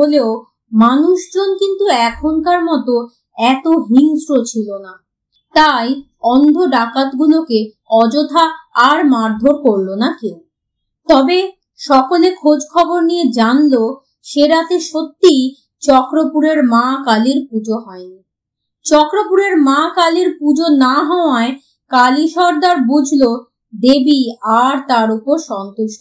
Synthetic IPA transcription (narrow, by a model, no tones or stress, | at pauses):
oleo | manuʃd͡ʑonkint̪uɛkʰonkaɾmɔt̪o | ɛt̪oɦiŋsɾot͡ɕʰilona | t̪aj | ɔnd̪ʱoɖakat̪ɡuloke | ɔd͡ʑot̪ʰaːɾmaɾd̪ʱoɾkoɾlonakin | t̪ɔbe | ʃɔkolekʰod͡ʑkʰɔboɾnijed͡ʑanlo | ʃeɾat̪eʃot̪ːij | t͡ɕɔkɾopuɾeɾmãkaliɾpud͡ʑoɦɔeni | t͡ɕɔkɾopuɾeɾmãkaliɾpud͡ʑonaɦɔoae | kaliʃɔɾd̪aɾbud͡ʑʱlo | d̪ebiaɾt̪aɾupoɾʃɔnt̪oʃo